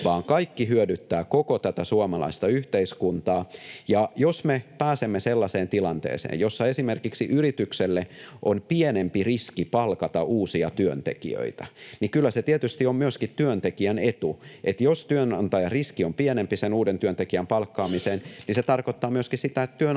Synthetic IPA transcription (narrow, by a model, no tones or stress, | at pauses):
ʋɑːŋkɑikːiɦyødyt̪ːæːkokot̪æt̪æsuɑmɑlɑ̰ist̪ɑyht̪eiskunt̪ɑːjɑjosmepæːsemːeselːɑseːnt̪ilɑnt̪ḛːsḛːjosːɑesimerkiksiʔyrit̪ykselːeʔonpienempiriskipɑlkɑt̪ɑʔuːsiɑt̪yønt̪ḛkḭø̰it̪ænikylːæset̪iet̪yst̪iommyøskit̪t̪yønt̪ekiænet̪uʔet̪jost̪yønɑnt̪ɑjɑriskiompienempisenuːdent̪yønt̪ekiæmpɑlkːɑːmiseːnniset̪ɑrkot̪ːɑːmyøskissit̪æet̪t̪yø